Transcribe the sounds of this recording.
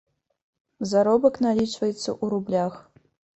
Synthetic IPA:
zaɾɔbɐknalʲit͡ʂvɐjɛt̪sːɐ̰ʔuɾublʲax

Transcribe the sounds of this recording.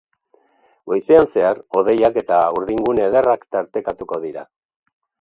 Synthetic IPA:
ɡojseanse̞aro̞ðe̞jake̞t̪auɾðiŋɡuneðerakt̪aɾt̪e̞kat̪uko̞ð̞iɾa

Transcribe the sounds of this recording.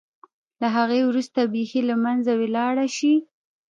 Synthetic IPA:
laɦaɣewɾust̪abexelamanzawelɑɽaʃi

